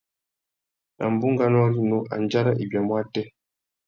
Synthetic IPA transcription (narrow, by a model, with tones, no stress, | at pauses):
a̰˨m̩˨bu˦ŋɡa˦n˦ɔ˦ɾi˦nɔ˦ʔa̰˨nd͡ʒa˦ɾa˦ʔi˨bja˨mwa˦tɛ˦